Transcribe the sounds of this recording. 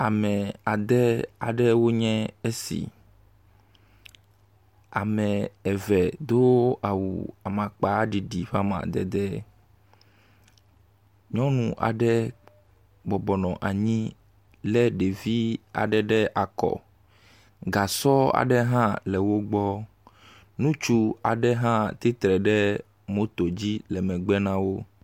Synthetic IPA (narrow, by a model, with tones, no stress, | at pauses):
a˨mɛ̃˨a˨d̪ɛ˦a˨ɖɛ˦wo˦ɲɛ̃˦e˦sḭ˨ | a̰˨mɛ̃˨ɛ˨vɛ˨d̪o˦a˨wṵ˨a˨mã˨k͡pa˦ɖi˨ɖi˨ɸa˦mã̰˨d̪ɛ̰˨d̪ɛ˦ | ɲɔ̃˦nũ˨ʔa̰˨ɖɛ˦ | bɔ˨bɔ˨nɔ̃˨ʔa˨ɲĩ˦ | lɛ˦ɖe˨vi˦a̰˨ɖɛ˦ɖɛ˦ʔa˨kɔ̰˨ | ɡa˨sɔ˦a̰˨ɖɛ˦ɦã˦lɛ˨wo˦ɡ͡bɔ˦ | nũ˦t͡ʃu˦a˨ɖɛ˦ɦã˦t̪i˦t̪ɾɛ˨ɖɛ˦ | mo˦t̪o˨d͡ʑi˦lɛ˨mɛ̃˨ɡ͡bɛ˦nã˦wo˦